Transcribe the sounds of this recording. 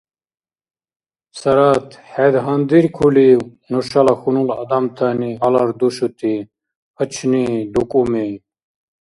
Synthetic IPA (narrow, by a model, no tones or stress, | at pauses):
sɐɾat̪hed̪ɦɐnd̪iɾkʰuli | nuɕalaxunulɐ̰d̪amt̪ʰaniɦalaɾd̪uɕut̪i | ət͡ɕʰnid̪ukʼumi